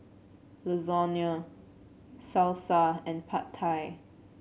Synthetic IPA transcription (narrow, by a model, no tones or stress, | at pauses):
ləzɔnjə | salsaɛ̃npʰatʰaj